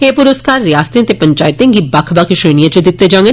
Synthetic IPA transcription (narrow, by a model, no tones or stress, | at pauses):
eːpʊɾəskaːɾːjaːst̪ɾĩt̪epɐɲt͡ʃaːɪt̪ẽŋɡibɐkʰbɐkʰʃeːɽ̃ijãt͡ʃud̪ɪt̪ːed͡ʒãŋɡe